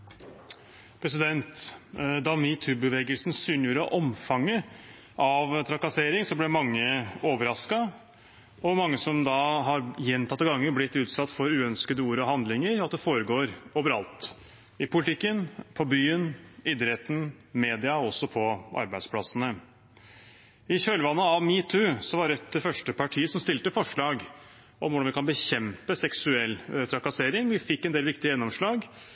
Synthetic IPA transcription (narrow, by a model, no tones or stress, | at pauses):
pʰɾɛsɪd̪ɛnt̪d̪ɑmɪt̪ʰʉbəʋeːɡəlsnsyːnjuːɾəɔ̰ʔɔmfɑŋːə | ʔɑʋt̪ʰɾɑkɑseːɾɪŋsɔblɛmɑŋːəoːʋəɾɑskɑ | ɔmɑŋːəsɔmd̪ɑɦɑɾjɛnt̪ʰɑt̪ːəɡɑŋːəblɪt̪ːʉːt̪sɑt̪ːfɔɾʉːœnskəd̪əuːɾəɔhɑnd̪lɪŋəɾɑt̪̚d̪ɛfoːɾəɡoːɾoːʋəɾɑlt̪ | ɪpʰʊlɪt̪ʰɪkːənpʰɔbyːənɪd̪əɾheːt̪n̩meːd̪ɪɑɔsːɔpʰɔʔɑ̰ɾbæɪspʰlɑsənə | ɪçøːlʋɑnːəɑʋmiːt̪ʰʉsɔʋɑɾɛt̪̚d̪ɛfœʂʈəpʰɑʈʰiːəsɔmst̪ɪlt̪əfɔʂɭɑːɡ | ʔɔ̰mʋʊɖɑnʋɪkʰɑnbəçɛmpəsɛksʉɛlːt̪ʰɾɑkɑseːɾɪŋʋɪfɪkːɛnd̪eːlʋɪkt̪ɪəjɛnːɔmʂɭɑːɡ